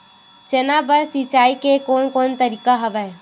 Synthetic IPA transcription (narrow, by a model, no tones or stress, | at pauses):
t͡ʃenabəɾsit͡ʃaːikekoːnkoːnt̪əɾikaɦəʋɛ